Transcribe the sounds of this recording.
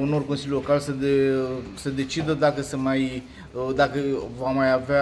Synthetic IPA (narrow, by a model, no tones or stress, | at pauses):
unorko̞nsilʲulo̞kalsəesəd̪e̞t͡ʃid̪əd̪akəsəmaj | d̪akəvamajavea